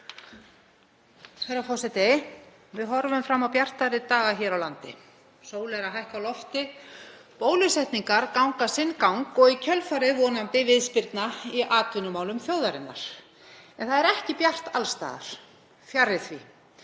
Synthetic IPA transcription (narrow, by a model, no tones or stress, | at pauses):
θɛjɾafɔsɛt̪e | vɪðɦɔɾvʏmfɾamːawpjar̥t̪aɾɪt̪aːɣaçɛːɾawlant̪ɪ | soːwlɛɾaɦajhkawlɔft̪ɪ | poːwlʏsɛht̪niŋkaɾkawŋkasɪnːkawŋkɔɣicʰœlfaɾɪðvɔnampɪvɪðspɪɾt̪naiʔaːt̪vʏnʏmaːwlʏmθjoːwðaɾɪnːa̰ɾ̥ | ɛnθaðɛɾɛhcɪpjar̥t̪alst̪a̰ːða̰ɾ̥ | fjarɪθvḭ